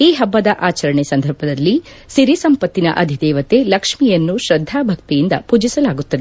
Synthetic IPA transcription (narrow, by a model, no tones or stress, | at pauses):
iːɦɐbːɐd̪ɐʔaːt͡ʃɐɾɐɳesɐnd̪ʱɐɾbʱɐd̪ɐlːi | siɾisɐmpɐt̪ːinɐ̰ʔɐd̪ʱid̪ɛːʋɐt̪elɐkʂmijɐnːuʃɾɐd̪ʱːaːbʱɐkt̪ijind̪ɐpuːd͡ʒisɐlaːɡut̪ːɐd̪e